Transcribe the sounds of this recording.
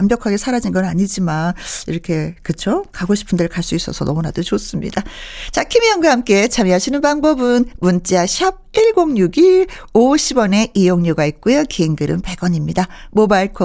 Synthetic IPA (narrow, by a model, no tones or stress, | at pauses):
mbjʌkʰaɡe̞sʰaɾad͡ʑinɡʌnaɲid͡ʑimaniɾʌkʰe̞kɯt͡ɕʰokaɡoɕʰi̥pʰɯndɯɭkaɭs͈uis͈ʌsʰʌ̰nʌmunadot͡ɕos͈ɯmɲḭdat͡ɕakʰimiʌŋɡwahamk͈e̞t͡ɕamiɦaɕʰinɯnbaŋbʌbɯnmunt͡ɕ͈eaɕʰjʌb̚iɭɡoŋɲuɡi | oɕʰibwʌne̞ʔijoŋɲuɡait̚k͈ujokeiŋɡɯɾɯ̰npe̞ɡ̥ʌɲimɲidamobaiɭkʰo